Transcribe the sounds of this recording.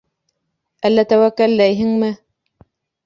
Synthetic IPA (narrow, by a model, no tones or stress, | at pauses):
ʔælːæt̪æwækːællæjɦɘŋmɘ